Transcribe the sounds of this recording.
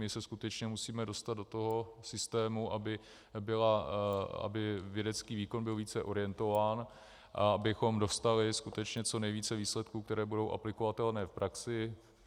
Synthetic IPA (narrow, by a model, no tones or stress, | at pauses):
mɪsɛskut̪ɛt͡ʃɲɛmusiːmɛdo̞st̪ad̪do̞t̪o̞ɦo̞sɪst̪ɛːmuʔabɪ | bɪla | a̰bɪvjɛdɛt͡skiːviːko̞nbɪlviːt͡sɛʔo̞ɾɪjɛnt̪o̞vaːn | ʔaabɪxo̞mdo̞st̪alɪskut̪ɛt͡ʃɲɛt͡so̞nɛjviːt͡sɛviːslɛt̪kuːkt̪ɛɾɛːbudo̞wʔa̰plɪko̞vat̪ɛlnɛːfpɾʔaksɪ